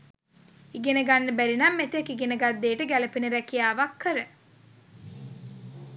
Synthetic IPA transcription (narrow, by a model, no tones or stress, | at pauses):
iɡenəɡanːəbæɾinamːet̪ekiɡenəɡad̪ːeːʈəɡæləpinəɾækijaːʋakʰːəɾə